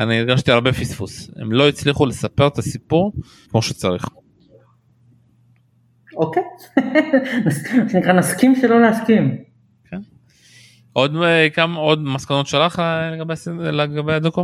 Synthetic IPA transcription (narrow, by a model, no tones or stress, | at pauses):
aniːɡaʃt̪iaʁbe̞fisfuse̞̰mlo̞it͡sliχule̞sapeʁet̪asipuʁ | kmo̞ʃet͡saʁiχ | okej | nasmaʃenikʁanaskimʃelo̞leaskim | kʰen | ʔo̞d̪kamao̞d̪maskano̞t̪ʃalaχleɡabeasileɡabejad̪oko